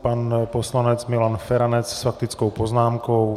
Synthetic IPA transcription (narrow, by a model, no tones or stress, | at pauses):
paːnpɔslaɲɛd͡zmilanfɛɾanɛt͡ssfakt̪it͡skɔʊpɔznaːmkɔʊ